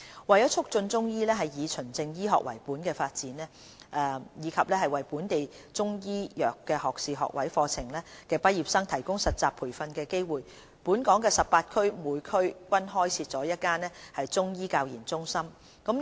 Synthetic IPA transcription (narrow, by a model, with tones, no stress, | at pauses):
wɐ˨jɐ˦˥t͡ʃʰʊ˥k̚t͡sɵ˧nt͡sʊ˥ŋjiː˥lɛː˥ɦɐ˨jjiː˨˧t͡sʰɵ˨˩nt͡sɪ˧ŋjiː˥ɦɔ̰ː˨k̚wɐ̰˨˩jpuː˨˥nkɛː˧faː˧t̚t͡siː˨˥nɛː˥ | ʔɛː˧jiː˨˧kʰɐ˨p̚lɛː˥ɦɐ˨jwɐ˨˩jpuː˨˥nt̪e˨j | t͡sʊ˥ŋjiː˥jœː˨kːɛː˧hɔː˨k̚siː˨˧ɦɔ̰˨k̚wɐ˨˥jfɔː˧t͡sʰɪ˨˩ŋlɛː˥kɛː˧pɐ˥t̚jiː˨p̚sɐ˥ŋt̪ʰɐ˨˩jkʊ˥ŋsɐ˨t̚t͡saː˨˩pʰuː˨˩jfɐ˧nkɛː˧ke˥jwuː˨j | puː˨˥nkɔː˨˥ŋkɛː˧sɐ˨pːaː˧t̚kʰɵ˥ɥmuː˨˧jkʰɵ˥ɥkʷɐ˥nɦɔː˥jt͡sʰiː˧t̚t͡sɔː˨˥jɐ˥t̚kːaː˥nɛː˥hɐ˨jt͡sʊ˥ŋjiː˥kaː˧wjiː˨˩nt͡sʊ˥ŋsɐ˥m | kɐ˨˥m